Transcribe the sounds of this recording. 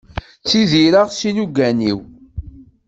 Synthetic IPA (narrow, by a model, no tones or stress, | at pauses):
t͡sːiðiɾaʁsinuɡænḭw